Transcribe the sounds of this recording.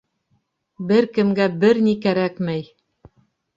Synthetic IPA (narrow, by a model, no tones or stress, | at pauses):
bɘɾkɘ̆mɡæbɘɾnikæɾækmæj